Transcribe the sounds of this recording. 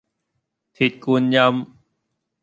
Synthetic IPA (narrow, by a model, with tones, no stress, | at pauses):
t̪ʰi˨˩t̪̚ku˧nɲa˧˥m